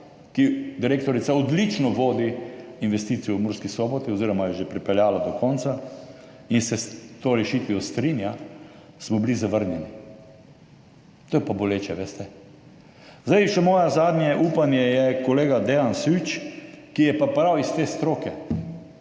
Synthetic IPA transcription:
kid̪iɾeːk̚t̪ɔɾit̪saɔd̪lit͡ʃnɔʋoːd̪iinʋɛst̪iːt̪sijɔwmuɾskisɔbɔt̪iɔziːɾɔmajɛʒepɾipɛljaːlad̪ɔkʰɔnt̪sa | insɛst̪oːɾɛʃit̪ʋijɔst̪ɾinja | smɔblizaʋəɾnjɛni | t̪oːjɛpaboleːt͡ʃɛʋeːst̪ɛ | zd̪aɪʃɛmɔːjɛzaːd̪njɛʔuːpanjɛjɛkoleːɡad̪ɛansut͡ʃkijɛpapɾawist̪eːst̪ɾoːkɛ

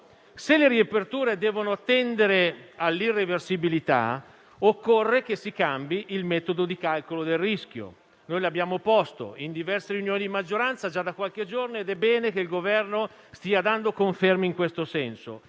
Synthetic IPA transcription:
seleɾiepert̪uːɾed̪ɛːvonoat̪ːɛnd̪eɾealːirːeversibilit̪a̰ | okːorːek̟esikambiʔilmɛːt̪od̪od̪ikalkolod̪elrisk̟jo̰ | nojlabːjaːmopɔst̪o̰ind̪ivɛrseɾiunjoːnid̪imad͡ʒːoɾant̪sad͡ʒad̪akwalked͡ʒornoed̪ɛbːɛːnek̟eilɡovɛrno | st̪iːad̪and̪okoɱfermiŋkwest̪osɛnso̰

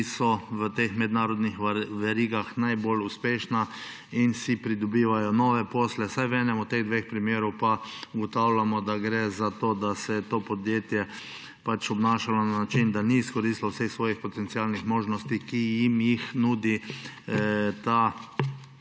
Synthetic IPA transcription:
isɔʋət̪eːxmɛd̪naːɾɔd̪nixʋɛɾiːɡaxnajboːluspeːʃna | insipɾid̪ɔbiːʋajɔnɔʋɛpoːslɛsajʋɛːnɛmɔt̪ːeɣd̪ʋexpɾimjeːɾɔwpauɡɔt̪awlamɔd̪aɡɾɛzat̪oːd̪asɛt̪oːpɔd̪jeːt̪jɛ | pat͡ʃɔbnaʃalɔnanat͡ʃind̪aniːskɔɾiːst̪lawsexsʋɔːjixpɔt̪ɛnt̪siaːlnixmoːʒnɔst̪ikijimjixnuːd̪i | t̪a

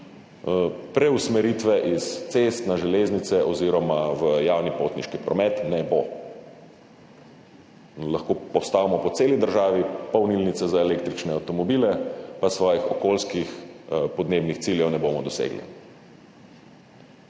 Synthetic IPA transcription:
pɾɛusmɛɾiːt̪ʋɛʔist̪sest̪naʒɛleznit̪sɛʔɔziːɾɔmaʋəjaːwnipoːt̪niʃkipɾɔmɛt̪nɛbo | laxkoːpɔwst̪aːʋamɔpɔt̪seːlid̪əɾʒaːʋipɔwnilnit̪sɛzaeleːk̚t̪ɾit͡ʃnɛawt̪ɔmɔbiːlɛpasʋɔːjixɔkoːlskixpɔd̪neːbnixt̪siːljɛwnɛbomɔd̪ɔsḛːɡlḭ

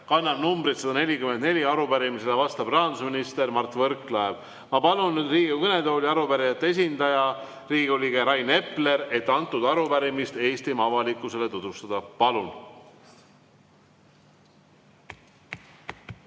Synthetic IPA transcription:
kɑnːɑbnumbɾit̪sɑd̪ɑne̞lʲikymenne̞lʲiɑɾubæɾimised̪ɑvɑst̪ɑb̥rɑɑnd̪usminist̪e̞ɾmɑrt̪ːˑvɤɾkˑlɑev | mɑpɑlunnːyd̪riːɡikɤne̞d̪oːlʲiɑɾupæɾijɑt̪ːees̬ʲind̪ɑjɑ | riːɡiolʲiɡeɾɑjne̞pːˑle̞ɾe̞t̪ːɑnt̪ːˑud̪ɑɾupæɾimist̪e̞ːst̪imɑvɑlikːˑuse̞le̞t̪ud̪̥vust̪ɑd̪̥ɑpɑlun

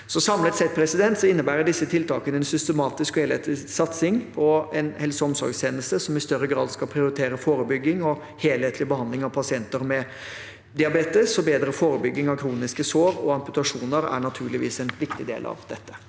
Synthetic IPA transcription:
sɔsɑmlət̪sɛt̪̚pʰɾɛsɪd̪ɛnt̪sɔɪnːəbæːɾəɖɪsːət̪ʰɪlt̪ʰɑːkənəɛnsʏst̪əmɑːt̪ɪskɔheːleːt̪ʰlɪsɑt̪sɪŋpʰɔɛnhɛlsɔmsɔ̰ɾɡst̪ʰeːnəst̪əsɔmɪst̪œɾːəɡɾɑ̰ːd̪skɑlpʰɾɪʊɾɪt̪ʰeːɾəfoːɾəbʏɡːɪŋɔ | heːlheːt̪lɪbəhɑnd̪lɪŋɑʋpʰɑsɪɛnt̪əɾmɛ | d̪ɪɑbeːt̪əsɔbeːd̪ɾəfoːɾəbʏɡːɪŋɑʋkʰɾuːnɪskəsoːɾɔɑmpʉt̪ɑʂuːnəɾæ̰ɳɑt̪ʰʉːɭɪʋḭːsɛnʋɪkt̪ɪd̪ḛːlʔɑ̰ʋd̪̥ɛt̪ːə̥

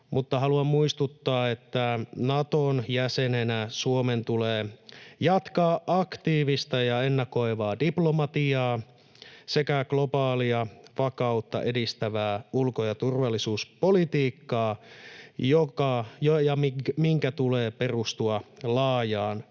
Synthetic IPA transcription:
mut̪ːɑɦɑluɑmmuist̪ut̪ːɑːe̞t̪ːænɑt̪onjæsenenæsuome̞nt̪uleːjɑt̪kɑːʔɑkt̪iːʋist̪ɑjɑenːɑko̞iʋɑːdiplomɑt̪iɑː | se̞kæɡlo̞bɑːliɑfɑkɑut̪ːɑ̰ʔe̞dist̪æʋæːulkojɑt̪urʋɑlːisuːspo̞lit̪iːkːɑː | jokɑjojɑimiŋkæt̪uleːpe̞rust̪uɑlɑːjɑːn

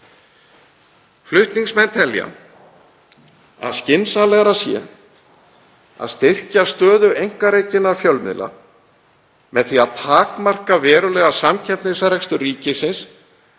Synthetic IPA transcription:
flʏht̪niŋsmɛnt̪ʰɛlja̰ | a̰ðscɪnsalɛːɣaɾasjɛ̰ | a̰ðst̪ɪr̥cast̪œːðʏejŋ̥kaɾeːjcɪnafjœlmɪ̰la̰ | mɛðθiaðpʰaːkmar̥kavɛːɾʏlɛːɣasamcʰɛmp̪nɪsaɾ̥ɛkst̪ʏriːcɪsɪns

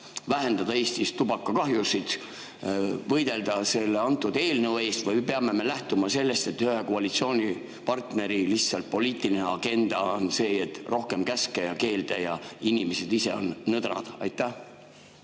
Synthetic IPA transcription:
væɦe̞nd̪̥ɑd̪̥ɑeːst̪ist̪ub̥ɑkːɑkɑɦjusid̪ | vɤjd̪̥e̞ld̪̥ɑse̞lːeɑnt̪ːˑud̪̥eːlnɤwe̞ːst̪vɤjpe̞ɑme̞me̞læht̪umɑse̞lːe̞st̪e̞t̪hyhekoɑlit̪sio̞ːnʲi | pɑrt̪ne̞ɾiliht̪sɑlt̪̚po̞liːt̪ˑilineɑɡ̥e̞nd̪̥ɑonse̞ːet̪ːˑro̞hke̞mkæskejɑke̞ːld̪̥ejɑinʲimese̞d̪̥ise̞̰o̞̰nːɤd̪rɑ̰d̪̥ɑjt̪ːˑæh

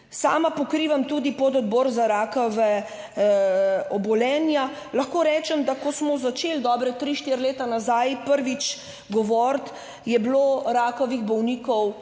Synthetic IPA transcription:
sa̰ːmapɔkɾiːʋamt̪ud̪ipɔd̪ɔd̪bɔːɾzaɾaːkɔʋɛ | ɔbɔlɛːnja | lɐxkoːɾɛːt͡ʃɛmd̪akɔsmɔzat͡ʃeld̪ɔːbɾɛt̪ɾiːʃt̪iɾleːt̪anazajpəɾʋit͡ʃ | ɡɔʋɔɾt̪ | jɛbloɾaːkɔʋiɣbɔwniːkɔw

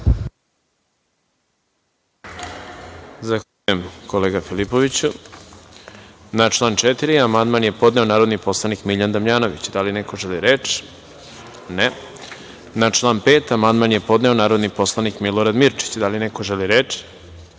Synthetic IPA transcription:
zaxaʎujemko̞leːɡafilipo̞ʋit͡ɕu | nat͡ʃlˠaːnt͡ʃet̪iɾiamand̪manje̞po̞d̪ne̞o̞naːɾo̞d̪nipo̞slˠanikmiʎand̪amʎaːno̞ʋḭt͡ɕd̪alineko̞ʒeliɾet͡ʃ | ne | nat͡ʃlˠaːnpe̞ːt̪amand̪manje̞po̞d̪ne̞o̞naːɾo̞d̪nipo̞slˠanikmilˠo̞ɾad̪miɾt͡ʃi̥t͡ɕd̪alineko̞ʒeliɾeːt͡ʃi̥

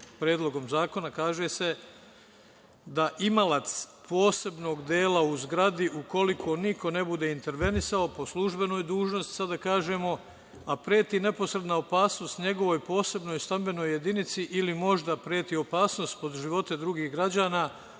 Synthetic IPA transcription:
pɾeːd̪lˠo̞ɡo̞mzaːko̞nakaːʒe̞se̞ | d̪aʔimalat̪spo̞ːse̞bno̞ːɡd̪eːlauzɡɾad̪iʔuko̞likʰo̞nikʰo̞ne̞bud̪e̞int̪e̞ɾʋe̞nisao̞po̞slˠuʒbe̞no̞ːjd̪uːʒno̞st̪i̥sad̪akaːʒe̞ːmo̞ | apɾeːt̪ine̞po̞sɾed̪naopaːsno̞st̪ɲe̞ɡo̞ʋo̞jpo̞ːse̞bno̞jst̪ambe̞no̞jːe̞d̪init̪siʔilimo̞ʒd̪apɾe̞ːt̪iːo̞paːsno̞st̪po̞d̪ʒiʋo̞t̪ed̪ɾuɡiːhɡɾad͡ʑaːnaː

